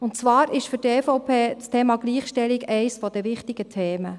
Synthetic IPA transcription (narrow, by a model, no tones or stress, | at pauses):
ʊntt͡sʋɑːɾɪʃfyɾdɛːfoʊpʰeːt͡stʰeːmɑɡliːχʃtɛlɪɡɛɪsfɔd̥̪ɛʋɪχtɪɡ̥ətʰeːmə